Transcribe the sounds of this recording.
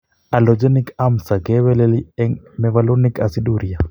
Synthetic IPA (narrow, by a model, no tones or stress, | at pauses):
alɔd͡ʒɛnikamsaɡɛwɛlɛliɛŋmɛvalonikasiɗuɾia